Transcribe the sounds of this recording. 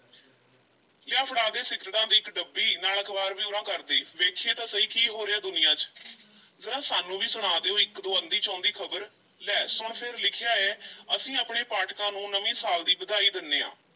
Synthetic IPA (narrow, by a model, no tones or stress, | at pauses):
lɪaːpʰɽaːd̪eːsɪkɾʈãːd̪iːɪkɖəbːiːnaːləkbaːɾʋiːʊːɾãːkəɾd̪eːʋeːkʰeːt̪aːsəɦiːkiːɦoːɾeːaːd̪ʊnɪjãːt͡ʃ | zəɾãːsaːnũːʋiːsʊɽ̃aːd̪eːoːɪkd̪oːənd̪iːt͡ʃãːnd̪iːkʰəbəɾ | lɛːsʊɳpʰɪɾlɪkʰɪjaːeːəsĩːaːpɳeːpaːʈkãːnũːnəʋĩːsaːld̪iːbəd̪aːiːd̪ɪnːeːã̰ː